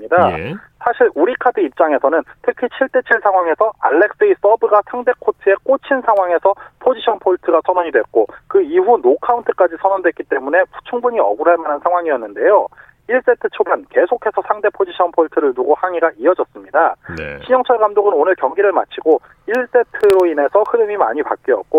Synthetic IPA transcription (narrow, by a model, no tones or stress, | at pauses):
ɲida | sʰaɕʰiɭuɾikʰadɯip̚t͡ɕ͈aŋe̞sʰʌnɯntʰɯkʰit͡ɕʰiɭt͈e̞t͡ɕʰiɭsʰaŋɦwaŋe̞sʰʌa̰ɭːe̞k̚s͈ɯis͈ʌbɯɡasʰaŋde̞kʰotʰɯe̞k͈ot͡ɕʰinsʰaŋɦwaŋe̞sʰʌpʰod͡ʑiɕʰʌnpʰoɭtʰɯɡasʰʌnʌɲidwek͈okɯiɸunokʰauntʰɯk͈ad͡ʑisʰʌnʌndwe̞t̚k͈it͈e̞mune̞pʰu̥t͡ɕʰuŋbuɲiʌɡuɾaɭmanansʰaŋwaŋiʌnːɯnde̞jo | iɭs͈e̞tʰɯt͡ɕʰobanke̞sʰokʰe̞sʰʌsʰaŋde̞pʰod͡ʑiɕʰʌnpʰoɭtʰɯɾɯɭnuɡohaŋiɡaʔiʌd͡ʑʌs͈ɯmɲidaɕʰiɲʌŋt͡ɕʰʌɭɡamdoɡɯnonɯɭkjʌŋɡiɾɯɭma̰t͡ɕʰiɡo | iɭs͈e̞tʰɯɾoine̞sʰʌhɯɾɯmima̰ɲipa̰k͈̚iʌ̰k̚k͈o